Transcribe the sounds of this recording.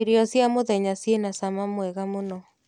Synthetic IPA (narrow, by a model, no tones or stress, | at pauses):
iɾiɔsjamoðɛɲasienasamamwɛɣamonɔ